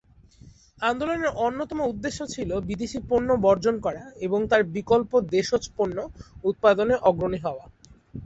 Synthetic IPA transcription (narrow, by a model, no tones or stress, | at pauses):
and̪oloneɾʔonːot̪ɔmoud̪ːeʃːot͡ɕʰilobid̪eʃiponːobɔɾd͡ʑonkɔɾaeboŋt̪aɾbikolpod̪eʃot͡ɕponːout̪̚pad̪oneʔɔɡɾoniɦɔoa